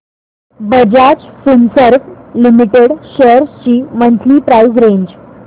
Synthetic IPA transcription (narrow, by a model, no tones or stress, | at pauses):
bəd͡ʑat͡ɕsunsəɾflimiʈeɽɕeɾst͡ɕiːmənt̪ʰliːpɾaizɾeɲd͡ʑ